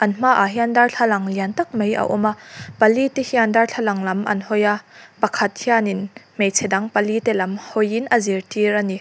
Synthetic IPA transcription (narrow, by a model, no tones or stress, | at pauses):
ʔɐnm̥aːʔaɦiandɐrɬʰalɐŋliɐnt̪ɐk̚mejɐ̰ʔɔ̰maʔpɐlit̪ihiandɐrɬʰalɐŋlɐmʔɐ̰nhɔjapɐkʰɐt̪̚hianinmejt͡sʰɛdɐŋpɐlit̪ɛlɐmhɔjinʔɐzirtiɾani